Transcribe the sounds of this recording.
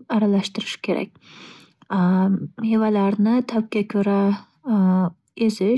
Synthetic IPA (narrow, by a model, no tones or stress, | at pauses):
aɾalaʃt̪ɪɾɪʃɪ̥kʲʰe̞ɾa̰k̚ʲ | hevalaɾnɪt̪ʰap̚kʲakʲʰɵɾa | ezɪʃ